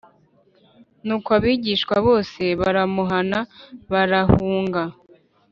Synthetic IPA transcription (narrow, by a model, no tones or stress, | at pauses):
nuːkoaβiːɟiːʃkwaβo̞ːse̞βaɾamuɦanaβaɾahuːŋɡa